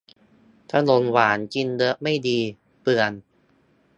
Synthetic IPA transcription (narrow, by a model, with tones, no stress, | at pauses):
t̪ʰa˧no˧nwaː˩˦nki˧ndɤ˦˥ʔma˥˩jdiː˧ | pɯ˨˩ən